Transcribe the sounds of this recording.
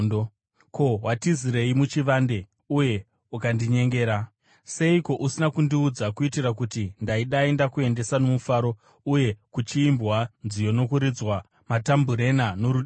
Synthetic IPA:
ko̞ɦwatiziɾe̞imut͡ʃiʋande̞ | uje̞ | ukandiɲe̞ŋɡe̞ːɾa | se̞iko̞ʔusinakundiud͡zakuitirak̬utindaiɗae̞ndakue̞nde̞sanomufaːɾo̞ | uje̞kut͡ʃiːmbwand͡zijo̞no̞kuɾid͡zwa | matambuɾe̞nano̞ɾuɗ

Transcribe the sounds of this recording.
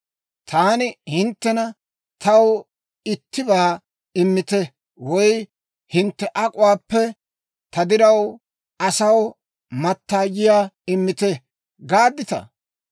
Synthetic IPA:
t̪ʰaːnɪhɪnt̪ːɛnɐ | t̪ʰɐw | ɪt̪ʰːɪbaː | ɪmːɪt̪ɛ | wɔj | hɪnt̪ːɛʔɐkʼʊwaːpːɛ | t̪ʰɐd̪ɪɾɐw | ɐsɐw | mɐt̪ːaːd͡ʒɪjaːɪmːɪt̪ɛ | ɡaːd̪ːɪt̪ɐ̰

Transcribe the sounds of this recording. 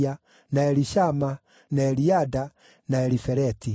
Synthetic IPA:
a | naɛɾiʃama | naɛɾiada | naɛɾifɛɾɛti

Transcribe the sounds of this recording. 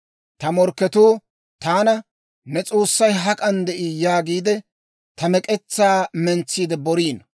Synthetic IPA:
t̪ɐmɔɾkːɛt̪oː | t̪aːnɐ | nɛt͡sʼoːsːɐjɦɐkʼɐnd̪ɛʔiːjaːɡiːd̪ɛ | t̪ɐmɛkʼɛt͡sːaːmɛnt͡sːiːd̪ɛbɔɾiːnɐ

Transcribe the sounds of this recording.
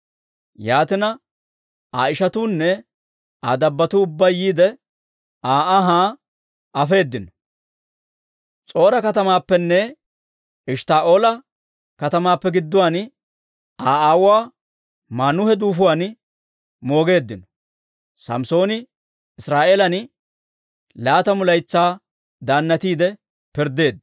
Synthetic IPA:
jaːt̪ɪnɐ | aːɪʃɐt̪uːnːɛ | aːd̪ɐbːɐt̪uːbːɐjiːd̪ɛ | aːʔaɦaː | ɐfe̞ːd̪ːɪn | t͡sʼo̞ːɾɐkɐt̪ɐmaːpːɛnːɛ | ɪʃt̪aːʔoːlɐ | kɐt̪ɐmaːpːɛɡɪd̪ːʊwaːn | aːʔaːwʊwaː | maːnʊhɛd̪uːfʊwaːn | mo̞ːɡe̞ːd̪ːɪnɔ | sɐ̰mso̞ːnɪ | ɪsɾaːʔeːlɐn | laːt̪ɐmʊlɐjt͡sːaː | d̪aːnːɐt̪iːd̪ɛ | pɪɾd̪e̞ːd̪ːɐ

